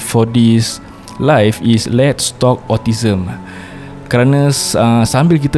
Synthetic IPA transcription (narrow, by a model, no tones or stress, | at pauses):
fɔdis | lajfislɛt̚stɔk̚ɔtizə̃m | kəɾanasasãmbilk̬it̪ə